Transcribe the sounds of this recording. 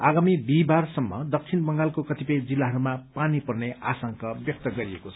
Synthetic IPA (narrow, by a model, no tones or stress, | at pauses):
aɡamib̪ibarsʌmːʌ̰d̪ʌk̚t͡sʰinbʌŋɡalkokʌt̪ipʌd͡zilːaɦʌɾumapanipʌrneasʌŋkʌbjʌk̚t̪ʌɡʌɾiekot͡sʰ